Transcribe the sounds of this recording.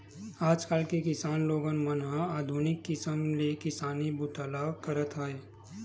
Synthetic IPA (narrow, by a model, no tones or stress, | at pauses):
aːd͡ʒkaːlkekɪsaːnloːɡənmənɦãaːd̪ʱunɪkːɪsəmlekɪsaːnibʊt̪aːlakəɾət̪aeː